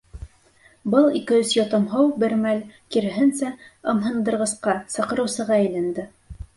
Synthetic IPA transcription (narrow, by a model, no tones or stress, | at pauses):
bɤlˠikɘ̆ɵsjŏt̪ɤ̆mɦɤwbɘ̆ɾmælkiɾɘ̆ɦɘnsæɤ̆mɦɤ̆nd̪ɤ̆ɾʁɤ̆sqɑsɑ̆qɤ̆ɾɤ̆wsɤ̆ʁɑæ̆jlænd̪ɘ